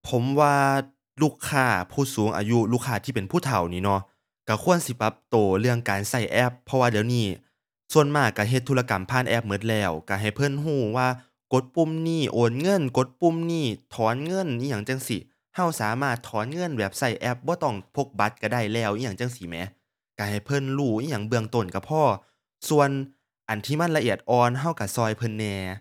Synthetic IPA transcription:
pʰo˨˧˦mwaː˧ | luː˧˩kʰːaː˧˩pʰuː˧˩suː˨˦ŋʔa̰ː˨ju˧˥luː˧˩kʰːaː˧˩t̪ʰiː˧˩pe˨npʰuː˧˥˩t̪ʰa˨˩wniː˧˩nɔ˧˦ | ka˧˩kʰu˧˥˨ənsi˧˦pa˧˦p̚t̪oː˨˩lɯ˧˩əŋkaː˨nsa˧˩jʔɛ˧˥pʰːɔ˧waː˧dɛː˨˦wniː˧˩ | su˧˨ənmaː˧˩a˧˩ɦe˧t̪ʰːuː˧la˧ka˨˩mpʰaː˧˥˨nʔɛ˧˥˩p̚mɤ˧˥n̚lɛː˧˩wka˧˩ɦa˨˩jpʰɤ˧˥˨nɦuː˧˩waː˧˨ | ko˧˦t̪̚pu˧˥˨mniː˧˥˩ʔoː˨˩nŋɤ˧˥˨nko˧˦t̪̚pu˧˨mniː˧˥˩t̪ʰɔː˨˦nŋɤ˧˥˨nʔi˧ɲaː˨˩ŋt͡ɕa˧ŋsi˧˩ | ha˧˩wsaː˨˦maː˧˥˩t̪ʰːɔː˨˦nŋɤ˧˥˨nwɛ˧˩p̚sa˧˩jʔɛ˧˥p̚bɔː˧˦t̪ɔ˧˩ŋpʰo˧˥k̚ba˧˦˥t̪̚ka˧˩da˧˩jlɛː˧˩wʔiː˧ɲaː˧˩ŋt͡ɕa˧˥˨ŋsi˧˨˦mɛ̰˨˧˥ | ka˧˩ha˨˩jpʰɤ˧˥˨nluː˧˩iː˧˨ɲa˧˩ŋbɯ˧əŋt̪o˧˨˩nka˧˩pʰɔː˧˩ | su˧ən | ʔa˨˩nt̪ʰiː˧˨ma˧˥˨nla˧ʔi˧˩ət̪̚ʔɔː˧nɦa˧˥˩wka˧˩sɔː˧˩jpʰɤ˧˥˨nːɛː˧

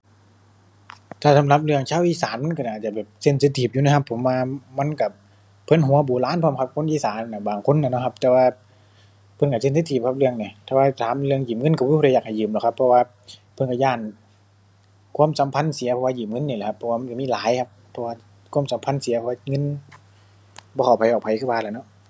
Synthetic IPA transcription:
t̪ʰaː˧˩sa˨˦mla˧˥p̚lɯ˧əŋt͡ɕʰaː˧˥˨wʔiː˧˨saː˨˦nma˧˥˨nka˧˩˨aː˨˩t̪̚t͡ɕa˧˩bɛː˨˩p̚se˧˩nse˧˥t̪ʰiː˧˩p̚juː˧na˧˩kʰa˧pʰːo˨˦mwaː˧ma˧˥˨nka˧˩ | pʰːɤ˧˥˨nɦu˨˦ɐ˦buː˨˩laː˧˥˨npʰɔː˧˨mkʰa˧˥p̚kʰo˧˥˨nʔiː˧˨saː˨˦n˧a˧˩baː˨˩ŋkʰo˧˥nːa˧˩nɔ˧˩kʰa˧p̚t̪ɛː˧waː˧ | pʰɤ˧˨nka˧˩se˧˨ns̬e˧t̪ʰiː˧˩p̚kʰa˧p̚lɯ˧əŋni˨˩t̪ʰːwaː˧t̪ʰaː˨˦mlɯ˧əŋjiː˨˩pm̚ŋɤ˧˥˨nka˧˩bɔ˧da˧˩jaː˨˩k̚ha˨˩jɯː˨˩˨mlɛː˧˨˩kʰpʰːɔ˧waː˧ | pʰɤ˧˨nka˧˩jaː˧˩˨n | kʰu˧˥ə˨msa˨˦mpʰa˧˥˨nsi˨˦pʰɔ˧waː˧jiː˨˩m̚ŋɤ˧˥˨nːi˧˩lɛ˨˩kʰpʰːɔ˧waː˧ma˧˨ka˧˨miː˧˥˨laː˨˦jkʰa˧p̚pʰːɔ˧waː˧ | kʰu˧˥ə˨msa˨˦mpʰa˧˥˨nsi˨˦ɐpʰɔ˧waː˧ŋɤ˧˥˨n | bɔː˧a˨˩wpʰa˨˦jʔɔː˨˩kpʰa˨˦jkʰːpbaː˧˩laː˧˩˨nɔ˧˥ʔ

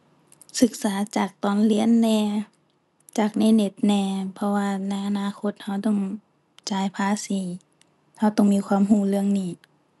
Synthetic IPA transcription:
sɯ˧˦k̚saː˨˦t͡ɕaː˨˩k̚t̪ɔː˨˧˩nli˧˥˨ə˨nːɛː˧ | t͡ɕaː˨˩k̚nɛː˧˥˨ne˧˩t̪̚nɛː˧˩pʰɔ˧waː˧na˧˥˩jʔa˧naː˧˨kʰo˧˦t̪̚ha˧˥˩wt̪ɔ˧˩ŋ | t͡ɕaː˨˧˦jpʰaː˧˨siː˨˦ | ha˧˩wt̪ɔ˧˩ŋmiː˧˥˧kʰwaː˧˥˨mɦuː˧˩˨lɯ˧əŋniː˧˩

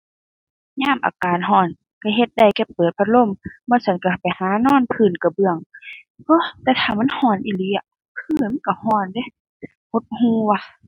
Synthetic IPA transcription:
ɲaː˧˥˨mʔa̰ː˨˩kaː˨nɦɔː˧˩n | ka˧˩ɦe˧t̪̚da˧˩jkɛ˧˩pːɤː˨˩t̪̚bʰa˧t̪̚lo˧˥˨mbɔː˧˨sa˧˦nka˧˩pa˨jhaː˨˦nɔː˧˥˨npʰɯː˧˩˨nka˧˩bɯ˧əŋ | ʔɤ˧˦˨t̪ɛː˧˩t̪ʰaː˧˩ma˧˥˨nhɔː˧˩˨nʔi˧˨li˧˦a˧˩ | kʰɯː˧˩˨ma˥˨ka˧˩hɔː˧˩nde˧˦˨ | ho˧˦t̪̚huː˧˦wa˧

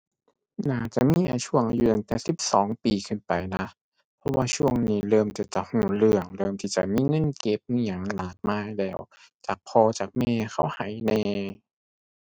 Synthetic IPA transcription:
naː˧˩t͡ɕa˧˨˩ʔmiː˧˥˨ʔa˧t͡ɕʰu˧˥˩əŋʔa˧ju˧˩t̪a˨ŋt̪ɛː˨˩si˨˧˦p̚sɔː˨˦ŋpiː˨˩kʰɯ˧˩˨npa˨jna˧˥ | pʰɔ˧˥waː˧t͡ɕʰu˧˥˩əŋniː˧˩lɤː˧˩mta˧˩t͡ɕa˧˩huː˨˩lɯ˧˩əŋlɤː˧˩mt̪ʰiː˧˩t͡ɕa̰˧˩miː˧˥˨ŋɤ˧˥˨nke˧˥˩p̚nː˧˩ɲa˧˩ŋlaː˨˩t̪̚maː˧˥˨jlɛː˧˩w | t͡ɕa˨˩k̚pʰɔː˧t͡ɕaː˨˩k̚mɛː˧xʰa˧˥˩wha˨˩˦jnɛː˧

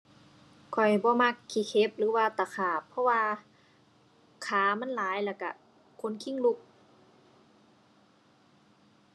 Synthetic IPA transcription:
kʰɔ˨˩jbɔː˧˦ma˧˥kʰːi˧˩kʰe˧˦p̚lɯː˨˦waː˧t̪a˨˩kʰaː˨˩pʰːɔ˧˥waː˧ | kʰaː˨˦ma˧˥˨nlaː˨˦jlɛː˧˩ka̰˧˩ | kʰo˧˥˨nkʰi˧˥˨ŋlu˧˩k̚

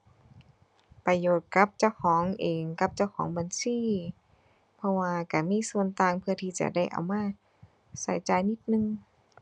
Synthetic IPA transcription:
pa˧joː˨˩t̪̚ka˧˥p̚t͡ɕa˧˩wkʰɔː˨˩˦ŋʔeː˨ŋka˧˥p̚t͡ɕa˧˩wkʰɔː˩˦ŋba˧˩˦nsiː˧˥˨ | pʰɔ˧waː˧ka˧˩miː˧˥˨su˧˨ənt̪aː˧˩ŋpʰɯ˧ət̪ʰiː˧˩t͡ɕa̰˧˩da˧˩jʔa̰˨˩wmaː˧˥˨ | saː˨˦jt͡ɕaː˧jni˧˥t̪̚nɯ˧ŋ

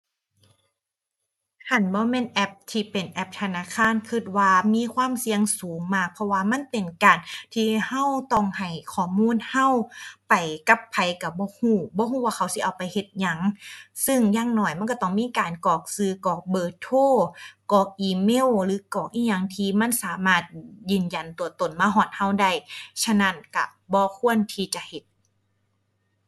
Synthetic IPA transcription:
tʰa˧˩˨nbɔː˧˦meː˧˥˨nʔɛ˧p̚t̪ʰiː˧pe˨˩nʔɛ˧p̚t̪ʰa˧naː˧˥˨kʰaː˧˥˨nkʰɯ˧˩t̪̚waː˧miː˧˥˨kʰwaː˧˥˨msi˧əŋsuː˨˦ŋmaː˧˩k̚pʰɔ˧waː˧ma˧˥˨npe˨nkaː˨˩nt̪ʰiː˧ha˧˥˨wt̪ɔ˧˩ŋha˨˩jkʰɔː˧˩muː˧˥˨nha˧˥˨wpa˨˩jka˧˦pʰːa˨˩jka˧˩bɔː˧˦huː˧˩bɔː˧˦huː˧˩˨waː˧kʰa˧˩˦wsi˧ʔa˨˩wpa˨jhe˧t̪̚ɲa˧˦ŋsɯ˧˩ŋjaː˧˥ŋnɔː˧˩jma˧˥˨kɔ˧˩t̪ɔ˧˩ŋmiː˧˥˨kaː˨nkɔː˨˩k̚sɯː˧kɔː˨˩k̚bɤː˧˩t̪ʰoː˧˥˨kɔː˨˩k̚ʔiː˧˩me˧˥˨wlɯː˨˦kɔː˨˩k̚ʔiː˧˨ɲa˧˦ŋt̪ʰiː˧ma˧˥˨nsaː˨˦maː˧˥˩t̪̚jɯː˨˧˩nja˨˩nt̪u˨ɐt̪o˨nmaː˧˥˨ɦɔː˧˩t̪̚ha˧˩˨wda˧˥˩jt͡ɕʰa˧˥˨na˧˥˨nka̰˧˩bɔː˧˦kʰu˧˥˨ənt̪ʰiː˧t͡ɕa˧˨he˧˦t̪̚

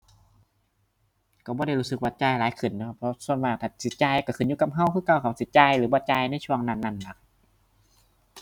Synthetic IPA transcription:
ka˧˩bɔː˧˦ɾa˧˩jluː˦˧˥sɯ˧˦k̚waː˧˩t͡ɕaː˧jlaː˨˦jkʰɯ˨˩˨nːa˧kʰa˧˥pʰɔ˧su˧˨nwa˧˩˨t̪ʰaː˧˩si˨˦t̪̚t͡ɕaː˧˩jka˧˩kʰɯ˨˩˦njuː˧˨ka˧˩p̚ɦa˧˩˨wkʰɯː˧˨ka˧˩wkʰa˧˩p̚si˨˦t͡ɕaː˧jlɯː˨˦bɔː˧˦t͡ɕaː˧jna˧˥˨jt͡ɕʰu˧əŋna˧˩˨nːa˧˩nla˧˦˩k̚

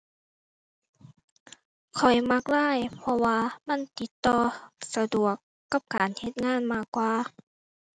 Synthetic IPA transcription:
kʰɔ˨˩jma˧˥k̚laː˧˥˨jpʰɔ˧waː˧ma˧˥˨nt̪i˧˦t̪ːɔː˧˩˧sa˧du˨˩əkːa˧˥p̚kaː˨nhe˧t̪̚ŋaː˧˥˨nmaː˧˥˩kːwaː˧

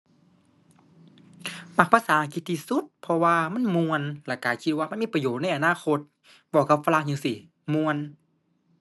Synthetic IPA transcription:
ma˧˩k̚pa˧saː˨ʔa˧ki˧t̪̚t̪ʰːiː˧su˧˥t̪̚pʰɔ˧waː˧ma˧˥˨nmu˧ənlɛ˧˩kaː˨˩jkʰi˧t̪̚waː˧ma˧˥˨miː˧˥˨pa˧joː˧˨˩t̪̚na˧˩˨ʔa˨naː˧˥˨xʰo˧t̪̚ | bɔː˧˩ka˧p̚fa˧la˧˥ŋɲɨː˧si˧˩ | mu˧ən

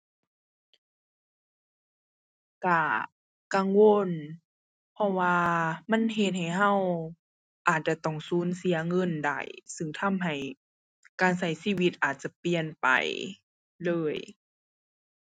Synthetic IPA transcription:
ka˧˩ | ka˧˨ŋwo˧˥˨n | pʰɔ˧waː˧ma˧˥˨nɦe˧t̪̚ha˨˩jɦa˧˥˨w | ʔaː˨˩t̪̚t͡ɕa˧˩t̪ɔ˧˩ŋsuː˨˦˥nsi˨˦ɐŋɤ˧˥˨nda̰˧˩jsɯ˧˩ŋt̪ʰa˧˥˨mɦa˨˩j | kaː˨nsa˧˩jsiː˧˥˨wi˧t̪̚ʔaː˨˩t̪̚t͡ɕa˧˦pi˨ənpa̰˨˩j | lɤː˧˥˩j

